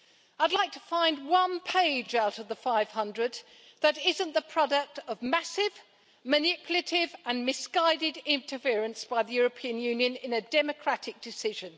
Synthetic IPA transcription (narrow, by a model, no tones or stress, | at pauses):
aɪdˡlaɪk̚tʰə̥fãɪ̃nd̚wʌ̃npʰeɪd͡ʒaʊɾʌvðəfaɪv̥hʌ̃ndɹɨd̪̚ | ðɨɾɪzɨ̃nðəpʰɹ̥ɑɾək̚tʌvmæsɪv | mɨnɪpʰjl̩ˠɨɾɪvə̃nmɪsɡ̥aɪɾɪdɪ̃ntʰə˞fɪɹɨ̃nsb̥aɪðɨjʊɹɨpʰĩɨ̃njʉ̃njɨ̃nɪ̃nɨdɛmɨkʰɹ̥æɾɨk̚d̥ɨsɪʒɨ̃n